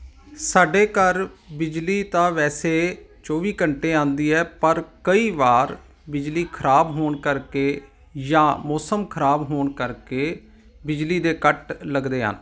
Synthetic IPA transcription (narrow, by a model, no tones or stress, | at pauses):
saːɖeːkəɾbɪd͡ʒliːt̪ãːʋɛːseːt͡ʃoːʋiːkəɳʈeːãːnd̪iːɛːpəɾkəiːʋaːɾ | bɪd͡ʒliːkʰəɾaːbɦoːɳkəɾkeː | jãːmɔːsəmkʰəɾaːbɦoːɳkəɾkeː | bɪd͡ʒliːd̪eːkəʈləɡd̪eːɦə̰n